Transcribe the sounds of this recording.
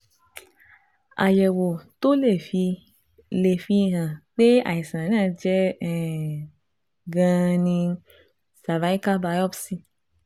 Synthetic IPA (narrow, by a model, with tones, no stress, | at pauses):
a̰˨jɛ˨wo˨to˦le˦˨fi˧ | le˨fi˧˨ɦã˨k͡pe˦a̰˨i˨sã˨nãː˦˧d͡ʒɛ˦ɛ˨ | ɡã˧nĩ˧ | sa˨va˨˦i˦ka˦ba˧˦ɔ˦bsi˧